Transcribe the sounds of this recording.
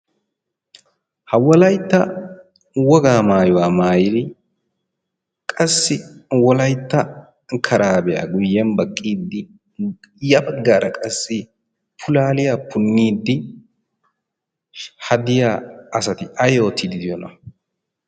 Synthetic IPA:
hɐwɔlɐjt̪ːɐ | wɔɡaːmaːjʊwaːmaːjɪd̪ɪ | kʼɐsːɪwɔlɐjt̪ːɐ | kʰɐɾaːbɛja̰ɡʊjːɛnbɐkʼːiːd̪ːɪ | jɐbɐɡːaːɾʔɐkʼɐsːɪ | pʰʊlaːlɪjapʰʊnːiːd̪ːɪ | hɐd̪ɪjaɐsɐt̪ɪʔɐjoːt̪ʰːɪd̪ɪd̪ɪjɔnɐ̰

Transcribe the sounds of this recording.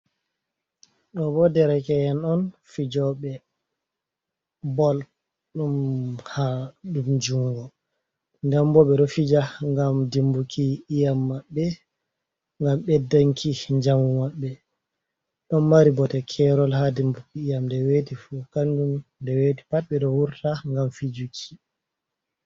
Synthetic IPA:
ɗɔbɔdɛɾɛkɛjɛnɔnfid͡ʒɔɓɛ | bɔl | ɗumhaɗumd͡ʒuŋɡɔ | nd͡ʒambɔɓɛɗɔfid͡ʒaŋɡamdimbukʰiːjamːaɓːɛ | ŋɡamɓɛdaŋkʰiɲd͡ʒamumaɓːɛ | ɗɔnːaɾibɔtɛkʰɛɾɔlhadimbukiːjamdɛwetifukandumdɛweti̥pat̚ɓɛɗɔwuɾtaŋɡamfid͡ʒukʰi̥

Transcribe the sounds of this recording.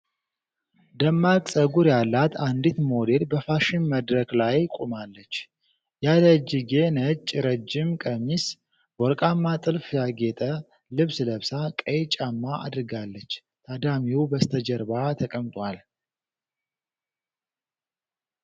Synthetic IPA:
d̪əmːakʼsʼəɡuɾjalːat̪ʰand̪it̪mo̞d̪elbəfaʃɪmməd̪ɾəklajkʼumalːət͡ʃː | jaləd͡ʒiɡenət͡ʃʼːɾəd͡ʒːɪmkʼəmis | bɔɾkʼamːat̪ʼɨlfjaɡet̪ʼə | lɨβsləβsakʼəjt͡ʃʼamːaʔa̰d̪ɨɾɨɡalːət͡ʃː | t̪ʰad̪amiwubəst̪ʰəd͡ʒəɾbat̪ʰəkʼəmt̪ʼwal

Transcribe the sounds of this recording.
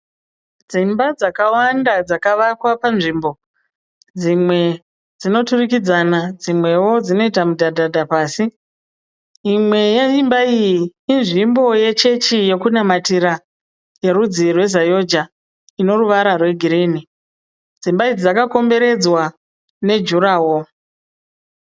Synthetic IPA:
d͡zimbad͡zakawandad͡zakaʋakwapanʐimbo̞ | d͡zimwe̞ | d͡zino̞turikid͡zanad͡zimwe̞wo̞d͡zino̞itamudʱadʱadʱapaːsi | imwe̞jeimbaijiːnʐimbo̞je̞t͡ʃe̞t͡ʃije̞kunamatiɾa | je̞ɾud͡zirwe̞zajo̞d͡ʒa | ino̞ruʋaɾarwe̞ɡʱiɾiːni | d͡zimbaid͡zakako̞mbe̞ɾe̞d͡zwa | ne̞d͡ʒuɾaːwo̞

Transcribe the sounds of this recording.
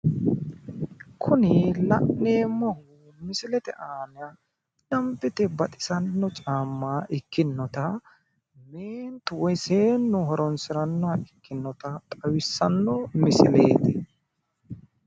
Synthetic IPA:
kʰʊnɪlɐʔnːeːmɔhʊ | mɪsɪlɛt̪ɛ̰ʔaːnɪa | dɐmpːɪt̪ɛbɐt̪ʼɪ̥sɐnːɔt͡ʃʼaːmːaːʔɪkːɪnːɔt̪ɐ | meːnt̪ʊwɔjseːnːʊhɔɾɔnsɪɾɐnːɔɐɪkːɪnːɔt̪ɐt̪ʼɐwɪsːɐnːɔmɪsɪlḛːt̪ɪ

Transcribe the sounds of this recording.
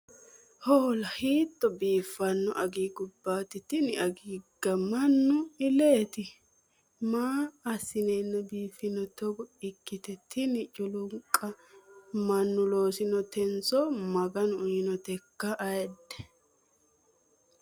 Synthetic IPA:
holɐhiːt̪ʼːɔbiːfɐnːɔʔɐɡiːɡʊbːaːt̪ɪt̪ɪnɪɐɡiːɡ̥ɐmɐnːʊɪleːt̪ɪ | maːɐsɪnɛnːɐbiːfɪnɔt̪ɔɡɔɪkːɪt̪ɛt̪ʰːɪnɪt͡ʃʼʊlʊŋkʼːɐ | mɐnːʊlo̞ːsɪnɔt̪ɛnsɔmɐɡɐnʊjɪnɔt̪ɛkːɐʔɐjɛd̪ɛ̥

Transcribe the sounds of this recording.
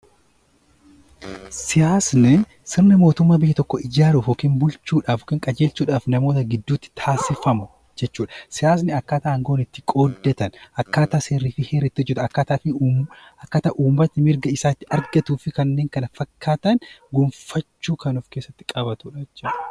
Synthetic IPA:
sɪjaːsnɛ | sɪɾnɪmo̞ːt̪ʊmːaːbɪjːɐt̪ɔkːɔɪd͡ʒaːɾuːfoːkeːnbʊlt͡ʃuːᶑaːfokɪːŋkʼɐd͡ʒe̞ːlsuːᶑaːfnɐmo̞ːt̪ɐɡɪd̪ːuːt̪ːɪ̥t̪ʰaːsɪfɐmʊ | d͡ʒɛt͡ʃːuːᶑɐsɪjaːs̬nɪɐkːaːt̪aːɐŋɡo̞ːnɪt̪ːɪ̥kʼo̞ːd̪ːɛt̪ɐnʔɐkːaːt̪aːseːɾːiːfɪheːɾɪt̪ːɪʊd͡ʒɪt̪ɐkːaːt̪aːfɪɐkːaːt̪aːʔuːmbɐt̪ːɪmɪɾɡɐɪsaːt̪ːɪɐɾɡɐt̪uːfɪkɐnːe̞ːŋkɐnɐfɐkʰːaːt̪ɐnɡʊmfɐt͡ʃːuːkɐnʊfkeːsːɐt̪ːɪ̥kʼɐbɐt̪ʊᶑɐt͡ʃːɐ

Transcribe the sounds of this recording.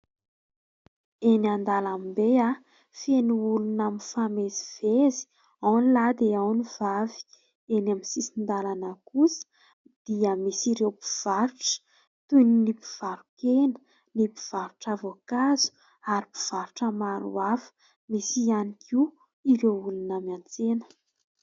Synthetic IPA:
enand̪alambea | fenuulunaminfameziv̥ezi̥ | awnilad̪eawnivavi̥ | enaminsisind̪alanəkusə̥ | d̪̥iəmisiɾewpi̥v̥aɾuʈ͡ʂə̥ | t̪uninipi̥v̥aɾukenə̥ | nipi̥v̥aɾuʈ͡ʂavokazu̥ | aɾipi̥v̥aɾuʈ͡ʂəmaɾṵafə̥ | misianikʰiu | iɾewulunamant͡senə̥

